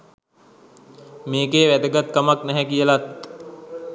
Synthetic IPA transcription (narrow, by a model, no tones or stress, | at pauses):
meːkeːʋæd̪əɡat̪̚kamaknæɦɛkijəlat̪